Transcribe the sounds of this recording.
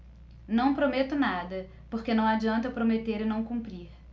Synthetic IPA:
nɐ̃w̃pɾomet̪ʊnad̪ɐ | poɾkenɐ̃w̃ad͡ʒiɐ̃nt̪ɐpɾomet̪eɾɪnɐ̃w̃kũpɾiɾ

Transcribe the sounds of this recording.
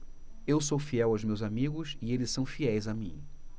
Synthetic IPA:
ewsofiɛwawzmewzamiɡʊsɪelɪssɐ̃w̃fiɛjzamĩ

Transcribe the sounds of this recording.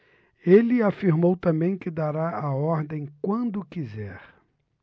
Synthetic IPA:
elɪafiɾmowt̪ɐ̃mbẽj̃kɪd̪aɾaʔaɔɾd̪ẽj̃kwɐ̃nd̪ʊkizɛɾ

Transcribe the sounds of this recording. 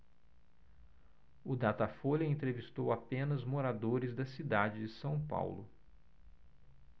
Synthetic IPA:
ʊd̪at̪afoʎɐẽnt̪ɾevist̪owapẽnɐzmoɾad̪oɾɪzd̪ɐsid̪ad͡ʒɪd͡ʒɪsɐ̃w̃pa̰wlʊ̰

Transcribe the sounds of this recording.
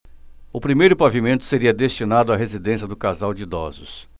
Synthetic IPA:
ʊpɾimejɾʊpavimẽnt̪ʊ̥seɾiɐd̪est͡ʃinad̪ʊaɦezid̪ẽsijɐd̪ʊkazawd͡ʒɪd̪ɔ̰zʊs

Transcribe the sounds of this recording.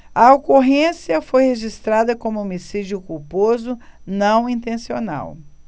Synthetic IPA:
ɐokoɦẽsiɐfojheʒist̪ɾad̪ɐkõmʊomisid͡ʒiʊkuwpozʊnɐ̃w̃ĩnt̪ẽsiona̰w

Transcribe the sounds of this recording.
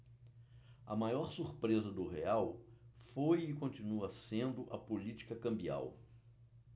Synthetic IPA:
ɐ̰majɔɾsuɾpɾezɐd̪ʊɦeawfojɪkõnt͡ʃinuɐsẽnd̪ʊʔɐpolit͡ʃi̥kɐkɐ̃mbia̰w

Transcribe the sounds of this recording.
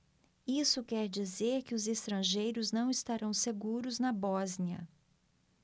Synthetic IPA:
isʊkɛɾd͡ʒizeɾkɪʊzest̪ɾɐ̃ʒejɾʊznɐ̃w̃ɪst̪aɾɐ̃w̃seɡuɾʊznɐbɔzniɐ̰

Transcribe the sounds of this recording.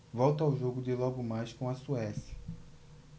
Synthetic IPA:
vɔwt̪ɐawʒoɡʊd͡ʒɪlɔɡʊmajskõw̃ɐsuɛsjɐ̥

